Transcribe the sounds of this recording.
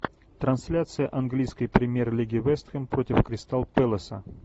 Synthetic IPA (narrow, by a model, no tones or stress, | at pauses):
t̪ɾɐnsʲlʲat̪sɨjəʔɐnɡlʲijskəjpɾʲɪmʲjerlʲiɡʲɪvɛst̪xʲəmpɾotʲɪfkɾʲɪst̪alˠpɛlˠəsə̰